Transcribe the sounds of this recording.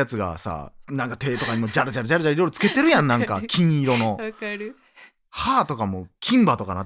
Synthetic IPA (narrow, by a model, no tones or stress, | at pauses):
at͡sɨɡa̰sa̰ːnãŋkat̪e̞ːt̪o̞kaɲ̟imo̞d͡ʑaɾɯd͡ʑaɾɯd͡ʑaɾɯʑaɾiɾo̞jɾot͡sɨ̥ke̞t̪e̞ɾɯ̟jãnːãŋka̰kʲĩɲiɾo̞no̞ | haːt̪o̞kamokʲʰĩmbat̪o̞kana